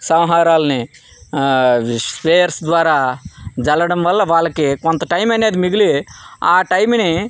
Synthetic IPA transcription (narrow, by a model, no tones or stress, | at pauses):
sɐwɦaːɾaːlɐni | speːjɐɾsd̪ʋaːɾaːd͡ʒɐlɐɽɐmʋɐlːɐʋaːɭːɐkikont̪ɐʈɐjmɐnːeːd̪imiɡiliaːʈɐjmni